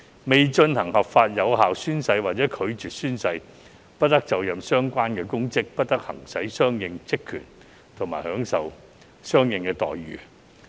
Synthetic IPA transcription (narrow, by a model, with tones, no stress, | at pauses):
me˨jt͡ʃɵ˧nhɐ˨˩ŋhɐ˨p̚faː˧t̚jɐ˨˧wɦaː˨wsyː˥nsɐ˧jwaː˨t̚t͡sɛː˨˥kʰɵ˨˧ɥt͡ʃyː˨t̚syː˥nsɐ˧j | pɐ˥t̚t̪ɐ˥k̚t͡sɐ˨wjɐ˨msœː˥ŋkʷaː˥nkɛː˧kʊ˥ŋkɪ˥k̚pɐ˥t̚t̪ɐ˥k̚hɐ̰˨˩ŋsɐ˨˥jsœː˥ŋjɪ˨˧ŋt͡sɪ˥kʰːy̰ː˨˩n | t̪ʰʊ˨˩maː˨˩jhœː˨˥ŋsɐ˨w | sœː˥ŋjɪ˨ŋkɛː˧t̪ɔ̰ː˨jɥy̰ː˨˩